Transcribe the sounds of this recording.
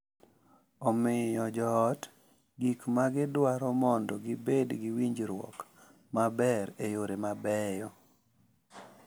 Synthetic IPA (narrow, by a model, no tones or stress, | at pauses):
ɔmɪjɔd͡ʒɔːt | ɡikmaɡɪdwaɾɔmɔndɔɡɪbedɡɪwiɲd͡ʒɾwɔ̰k | mabɛɾejoɾemabɛjɔ